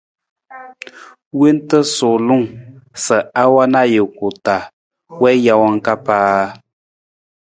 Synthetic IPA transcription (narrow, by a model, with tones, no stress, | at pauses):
we˦ntə˦sʊ˨lu˦˨ŋsə˨a˦wa˦na˦je˨ku˨ta˨ | wɛ˦ja˦wa˦ŋ˦ka˦paː˦